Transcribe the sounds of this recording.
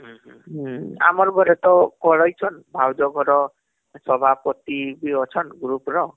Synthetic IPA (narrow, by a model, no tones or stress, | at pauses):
ɦ | a̰mɔrbʌɾet̪ɔkɔɾʌjt͡sʰʌnbʱawd͡zɔɡɔɾɔ | sʌbʱapɔt̪ibiɔt͡sʰʌnɡɾuprɔ